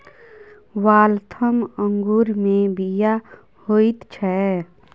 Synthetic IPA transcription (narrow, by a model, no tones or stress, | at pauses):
waːlt̪ʰəməŋɡuɾmẽbija | hoit̪t͡ʃʰɛ